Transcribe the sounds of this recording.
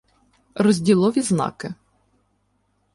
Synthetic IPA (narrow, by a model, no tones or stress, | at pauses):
rɔzʲdʲilˠɔʋʲiznɑ̰kɪ